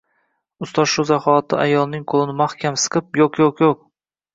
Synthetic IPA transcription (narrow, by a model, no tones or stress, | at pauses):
ʊst̪ɒʃuzaχɒt̪ʰɪ̰ʔa̰jɒlˠnɪŋqʰolˠɪnɪmahkʲamsɨ̥qʰɨp̚joqjoqjoq̚